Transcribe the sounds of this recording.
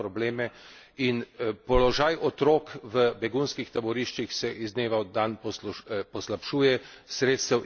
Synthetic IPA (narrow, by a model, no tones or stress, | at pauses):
ɾɔbleːmɛ | inpɔlɔʒajʔɔt̪ɾoːkʋəbɛɡunskixt̪abɔɾiʃt͡ʃixsɛʔizneːʋawd̪anpɔpɔslapʃuːjɛ | sɾeːt̪st̪ɛw